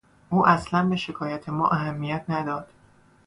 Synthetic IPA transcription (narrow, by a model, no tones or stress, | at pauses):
ʔuːʔæslænbe̞ʃe̞kʰɒːjæt̪ʰe̞mɒ̰ːʔæɦæmːijæt̪ʰnæd̪ɒːd̪̥